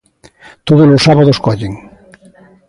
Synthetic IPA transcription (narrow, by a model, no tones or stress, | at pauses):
t̪oðolosaβaðoskɔʎeŋ